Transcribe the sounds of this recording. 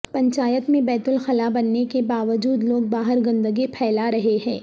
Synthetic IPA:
pɐ̃ɲt͡ʃaːjət̪mẽbɛːt̪ʊlxɐlabɐnːekebaːʋəd͡ʒuːd̪loːɡ̚baːɦəɾɡɐ̃nd̪əɡipʰɛːlaɾɐɦeɦɛ̃ː

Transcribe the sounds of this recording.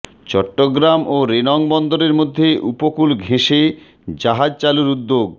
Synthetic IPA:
t͡ɕɔʈːoɡɾamoɾenɔŋbɔnd̪oɾeɾmod̪ʱːeʔupokulɡʱeʃe | d͡ʑaɦad͡ʑt͡ɕaluɾud̪ːoɡ̚

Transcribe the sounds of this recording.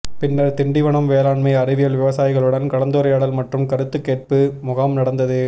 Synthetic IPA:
pɪnːɐɾt̪ɪɳɖɪʋɐɳɐmʋeːlaːɳmɐɪɐrɪʋɪjɐlʋɪʋɐsaːjɪɣɐɭɯɽɐnkɐɭɐnd̪oːɾɐjaːɽɐlmɐʈrɯmkɐɾɯt̪ːɯkːeːr̚pɯmʊɣɐmnɐɽɐnd̪ɐðɯ

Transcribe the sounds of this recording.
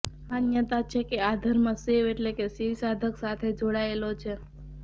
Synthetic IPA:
anjət̪at͡ʃʰekead̪ʱəɾmãseʋeʈlekesiʋsad̪ʱəksat̪ʰed͡ʒoɽaelot͡ʃʰe

